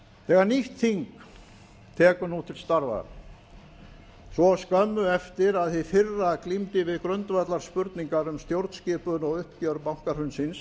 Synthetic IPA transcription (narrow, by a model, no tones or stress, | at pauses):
θɛːɣaɾniht̪θiŋk | t̪ʰɛːkʏnuːt̪ʰɪlst̪aɾva̰ | svɔskœmːʏɛft̪ɪɾaðθɪfɪrːaklimt̪ɪvɪðkɾœnt̪vat̪laɾ̥spʏɾt̪niŋkaɾʏmst̪jowɾt̪scɪːpʏnɔɣʏhpcœɾpawŋ̥kaɾ̥hʏnsɪns